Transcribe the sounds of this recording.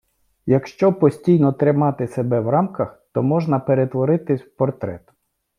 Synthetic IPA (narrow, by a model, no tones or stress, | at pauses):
jɐkʃt͡ʃɔpɔsʲtʲijnɔt̪ɾɪmɑt̪ɪsebɛwrɑmkɐxt̪ɔmɔʒnɐpeɾet̪ʋɔɾɪt̪ɪsʲpɔrt̪ɾɛ̰t̪